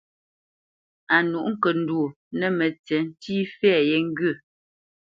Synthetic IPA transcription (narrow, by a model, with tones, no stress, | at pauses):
a˨nu˨ʔŋ̩˦kə˨n̩˦du˨o˨ | nɛ˦˨mɛ˨t͡sɛ˨n̩˦tiː˦fɛ˦˨jɛ˦ŋ̩˦ɡɥə˦˨